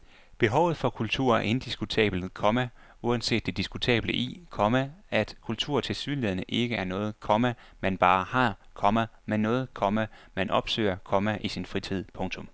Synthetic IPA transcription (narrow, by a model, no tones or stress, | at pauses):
b̥e̝ɦɒʊð̩ˠfɒ̽kʰult͡sʰuɐ̰e̝nd̥isɡ̥ut͡sʰɛ̰ːb̥l̩ˠkʰɒ̽mæ | uænse̝̰ːd̥e̝d̥isɡ̥ut͡sʰɛ̰ːb̥ləʔḭkʰɒ̽mææd̥kʰult͡sʰuɐ̰t͡sʰe̝lsyːðˠleðˠnəʔe̝ɡ̥əʔæɐnɔ̽ːð̩ˠkʰɒ̽mæ | mænb̥ɑ̈ːhɑ̈kʰɒ̽mæmenːɔ̽ːð̞̩ˠkʰɒ̽mæmænʔɒ̽b̥sø̰ːɐkʰɒ̽mæʔisinfʁit͡sʰið̞̰ˠpʰɔ̽ŋt͡sʰɔ̽m